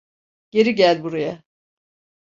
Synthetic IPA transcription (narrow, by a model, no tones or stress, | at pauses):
ɟ̥e̞ɾiɟælʲbuɾaja